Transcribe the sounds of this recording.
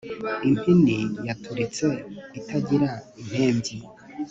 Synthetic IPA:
impʰinijatʰuɾit͡se̞itʰaɟiɾaim̥heːmbji

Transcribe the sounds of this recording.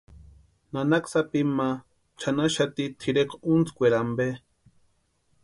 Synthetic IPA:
nanaksapima | t͡ʃʰanaʃat̪it̪ʰiɾekunt͡skʷeɾambe

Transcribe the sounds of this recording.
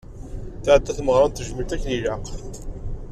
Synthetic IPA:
θaʕəd̪ːæθməʁɾˤɑnt̪ːəʒmət̪ækːənilaq

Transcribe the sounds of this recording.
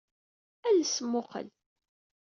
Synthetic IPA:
ælsəmːʊqə̰l

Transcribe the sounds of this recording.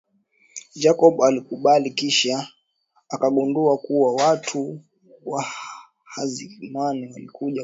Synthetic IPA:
d͡ʒakɔɓalikuɓalikiʃaː | kaɓunduakuwawatʰu | wa | hazimaniwalikuʄa

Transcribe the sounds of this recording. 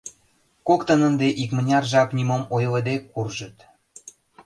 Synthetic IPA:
kokt̪ənənd̪eʔikmənʲɑrʒɑknʲymomojləd̪ekːurʒə̆t̪

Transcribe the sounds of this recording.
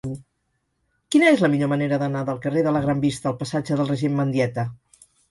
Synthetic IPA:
kinəezləmiʎoməneɾəðənaðəlˠkəreðələɣɾambist̪əːlˠpəsad͡ʒəðəlˠrəʒemːənd̪jɛt̪ə

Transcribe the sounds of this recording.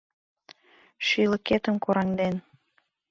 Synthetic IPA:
ʃyləket̪ə̆mkoɾɑŋd̪en

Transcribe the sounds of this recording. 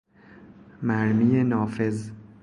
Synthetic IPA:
mæɾmiːjenɒːfe̞z

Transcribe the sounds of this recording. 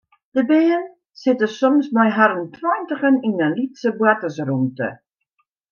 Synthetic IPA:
d̥əbejən | sɪtəsɔmsmɔjɦaɾəntwɔjntəχəninənlitsəbwatəsrumtə̰

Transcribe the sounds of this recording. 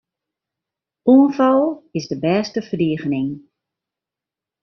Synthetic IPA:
uənfɔlˠɪzdəbɛːstəfərdiəɣənɪŋ

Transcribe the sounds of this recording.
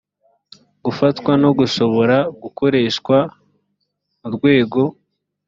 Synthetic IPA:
ɡufatkwano̞ɡuʃo̞βo̞ɾaɡuko̞ɾe̞ːʃkwa | muɾɡwe̞ːɡo̞

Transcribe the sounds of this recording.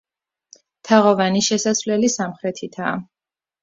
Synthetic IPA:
t̪ʰaʁɔvaniʃɛsasvlɛlisamχɾɛt̪ʰit̪ʰaː

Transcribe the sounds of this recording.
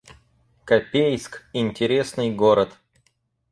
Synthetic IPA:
kɐpʲejskɪnʲtʲɪɾʲe̞snɨjɡoɾət̪

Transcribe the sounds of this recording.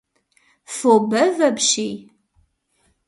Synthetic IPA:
fobɐvɐbʃij

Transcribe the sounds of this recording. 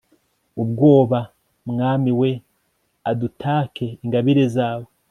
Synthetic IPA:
ubɡo̞ːβa | mŋaːmiwe̞ | adutʰaːkʰe̞iŋɡaβiɾe̞zaːwe

